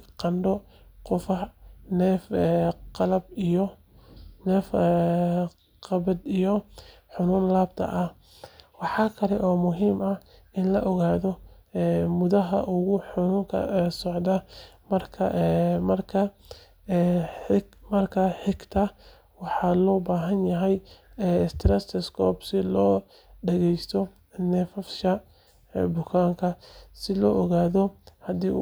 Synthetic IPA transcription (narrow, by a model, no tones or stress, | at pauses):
qɑnɖɔ | qʊfɐnɛːfɛqɑlɐbijɔ | nɛːf | qɑβɐd̪ijɔ | ħʊnuːnlaːbt̪ʰɐ̰ʔɐh | wɑħɑːkʰɐlɛʔɔːmʊɦiːmɐʔɪnlɐʔɔɣaːðɔɛːmʊðɐɦɐ̰ʔʊɣʊħʊnuːŋkʰɐ̰sɔʕd̪ɐmɐrkʰɐmɐrkʰɐ | mɐrkʰɐħɪɡt̪ʰɐ | wɑħɑlɔːbaːɦɐnjɐɦɛjɛst̪ʰɾɛsɛskʰɔːbsɪlɔː | ɖɐɣɛjst̪ʰɔ | nɛfɐfʃɐ | bʊkʰaːŋkʰɐsɪlɔːʔɔɣaːðɔhɐd̪iː